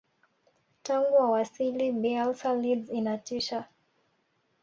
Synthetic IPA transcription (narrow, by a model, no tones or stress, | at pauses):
taŋɡuwawasilibialsalidzinatiʃa